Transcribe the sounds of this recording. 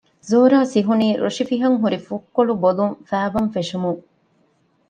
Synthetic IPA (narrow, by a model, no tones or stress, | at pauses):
zoːɾaːsiɦuniːɾo̰ʂifiɦɐŋɦuɾifukːoɭuboluŋfæːʋɐmfeʂumuŋ